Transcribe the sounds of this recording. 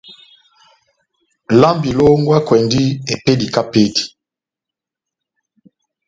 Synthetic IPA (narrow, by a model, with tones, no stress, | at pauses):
la˦mbi˨lo˦ŋɡwa˦kwɛ˨ndi˦e˨pe˦di˨ka˦pe˦di̥˨